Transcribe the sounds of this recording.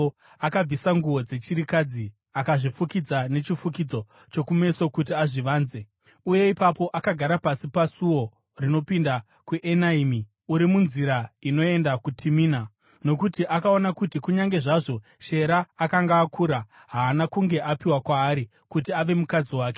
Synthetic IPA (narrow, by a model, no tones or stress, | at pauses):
akab͡visaŋɡuwo̞d͡ze̞t͡ʃiɾikad͡zi | akaʐifukid͡zane̞t͡ʃifukid͡zo̞ | t͡ʃo̞kume̞so̞kutiaʐiʋaːnze̞ | uje̞ipapo̞ʔakaɡʱaɾapasipasuwo̞ | rino̞pinda | kuʔenaimi | uɾimunziɾaino̞e̞ndakutʰimiːna | no̞kutiʔakao̞nakutikuɲaŋɡe̞ʐaʐo̞ | ʃe̞ɾaːkaŋɡaːkʰuːɾa | ɦaːnakuŋɡe̞ʔapiwakwaːɾi | kutiaʋe̞mukad͡ziwaːke̞̥